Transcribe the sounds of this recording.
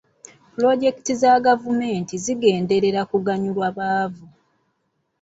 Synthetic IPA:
pulo̞ɟe̞ki̥tizaɡavume̞ːntiziɡe̞ːnde̞ɾe̞ɾakuɡaɲulwaβaːvu

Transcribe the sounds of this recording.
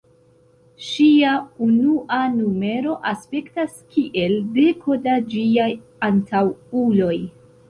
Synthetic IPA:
ʃiaunuʔanume̞ɾo̞ʔaspe̞ktaskiʔe̞lde̞kʰo̞dad͡ʒiaj | antʰawulo̞j

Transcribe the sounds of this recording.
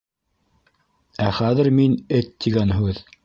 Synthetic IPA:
æχæðɘ̆ɾminɘt̪ːiɡænɦʉð

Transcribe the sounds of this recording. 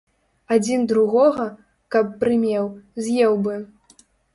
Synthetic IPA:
ad͡zʲind̪ɾuɣɔɣɐ | kɐpːɾɨmʲɛwzʲjɛwbɨ

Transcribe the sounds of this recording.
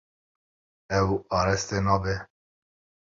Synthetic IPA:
ɛwɑːɾɛst̪enɑːbɛ

